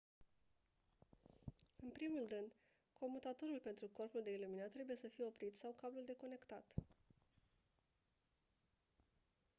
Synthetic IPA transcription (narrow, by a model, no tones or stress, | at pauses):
ɨnpɾimulrɨnd̪ | kʰo̞mut̪at̪o̞ɾulpe̞nt̪ɾuko̞rpuld̪e̞iluminat̪ːɾe̞buje̞səfije̞o̞pɾit̪sawkabluld̪e̞ko̞ne̞kt̪at̪